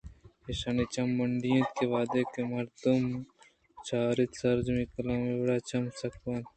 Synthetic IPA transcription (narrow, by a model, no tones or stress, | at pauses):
eʃanit͡ʃɐmːɐɳɖijẽt̪keʋaːd̪ekemɐɾd̪um | t͡ʃʰaːɾit̪sɐɾd͡ʒmikɐlãːmebɐɽaːt͡ʃɐmsɐkwaːn